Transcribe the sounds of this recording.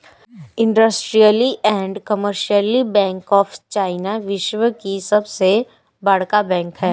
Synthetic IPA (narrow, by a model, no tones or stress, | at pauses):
ɪ̃ɳɖəsʈɾijəliʔɛ̃ːɳɖkəməɾʃiəlibɛ̃ːŋkɔːfʰt͡ʃaːɪnaʋɪʃʋəkisɐbse | bɐɽ̤kabɛ̃ːŋkɦɛː